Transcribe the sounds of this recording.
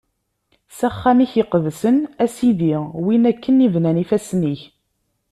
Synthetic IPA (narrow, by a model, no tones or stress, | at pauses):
sæχːæmiçiqvsənæsiðiwinækːənivnænifæsniç